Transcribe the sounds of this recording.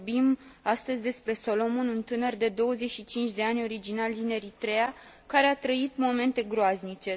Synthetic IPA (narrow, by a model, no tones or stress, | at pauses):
bimast̪əzʲd̪e̞spɾe̞so̞lo̞monunt̪ɨnərd̪e̞d̪o̞wəzeʃit͡ʃint͡ʃʲd̪e̞anʲo̞ɾid͡ʒinald̪ine̞ɾit̪ɾe̞a | kaɾe̞at̪ɾəit̪mo̞me̞nt̪e̞ɡɾoaznit͡ʃe̞